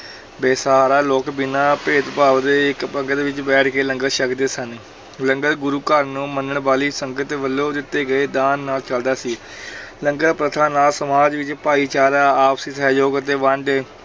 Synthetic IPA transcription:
beːsaːɾaːloːkbɪnãːpeːt̪paːʋd̪eːɪkpəŋɡt̪ːʋɪt͡ʃbɛːʈʰkeːləŋɡəʃəkd̪eːsən | ləŋɡət̪ɡʊɾuːkəɾnũːmənəɳbaːliːsəŋɡət̪ʋəlːõːd̪ɪt̪ːeːɡəeːd̪aːnːaːlt͡ʃəld̪aːsiː | ləŋɡət̪pɾət̪ʰãːnaːlsəmaːd͡ʒʋɪt͡ʃpaːiːt͡ʃaːɾaːaːpsiːsɛːd͡ʒoːɡət̪eːʋəɳɖeː

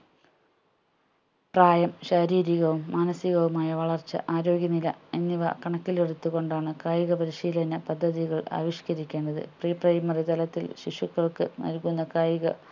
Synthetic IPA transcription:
praːjɐmɕɐɾiːɾiɣɐʋumːaːnɐsiɣɐʋumaːjɐʋɐɭɐrt͡ɕːɐ̰ʔaːɾo̞ːɡjɐnilɐ̰enːiʋɐ̰kɐɳɐkːilerut̪ːuɣo̞ɳɖaːɳɨkaːjiɣɐpɐɾiɕiːlɐnɐpɐd̪ʱːɐðiɣɐɭa̰ːʋiʂkɐɾikʲːe̞ːɳɖɐðɨ̰priːprɐjmɐrit̪ɐlɐt̪ːilɕiʂukːɐɭkɨnɐ̰lkunːɐkaːjiɣɐ̰

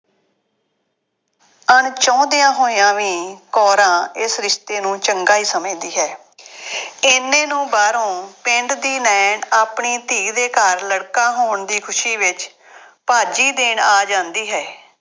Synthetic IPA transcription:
əɳt͡ʃɔ̃ːd̪ɪjãːɦoːijãːʋiːkɔːɾãːɪsɾɪʃt̪eːnũːt͡ʃəŋɡaːiːsəmẽːd̪iːɦɛː | ɪnːẽːnũːbaːɾõːpɪɳɖd̪iːnɛːɳaːpɳiːt̪iːɡd̪eːkəɾləɽkãːɦoːɳd̪iːkʰʊʃiːʋɪt͡ʃ | paːd͡ʒiːd̪eːɳaːd͡ʒãːnd̪iːɦɛː

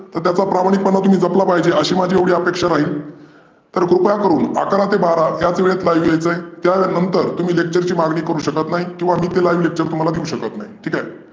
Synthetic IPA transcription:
t̪əɾt̪jat͡sapɾamaɽ̃ik̚pəɳːat̪um̤iːd͡zəplapaɦid͡ʑeəɕiːmad͡ʑʱieʋɽiːəpekʂaɾaɦiːl | t̪əɾkɾupjakəɾuːna̰kɾat̪ebaɾajat͡sʋeɭet̪lajʋjajt͡səet̪janənt̪əɾt̪um̤iːlek̚t͡ɕəɾt͡ɕiːmaɡɳiːkəɾuːɕəkət̪naɦikĩw̃ʋamiːt̪elajiʋlek̚t͡ɕəɾt̪um̤alad̪iuɕəkət̪naɦiʈʰiːkae

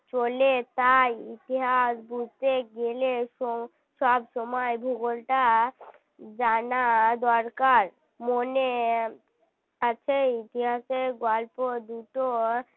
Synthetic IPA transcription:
t͡ʃolet̪ajit̪iɦasbud͡ʒt̪eɡeleʃo | ʃɔbʃɔmɔebʱuɡolʈa | d͡ʒanad̪ɔɾkaɾ | mone | at͡ɕʰeit̪iɦaseɡɔlpod̪uʈo

